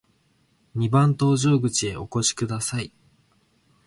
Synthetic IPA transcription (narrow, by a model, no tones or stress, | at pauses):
ɲ̟ibãnt̪o̞ːʑo̞ːɡɯ̟t͡ɕie̞o̞ko̞ɕi̥kɯ̟d̪asai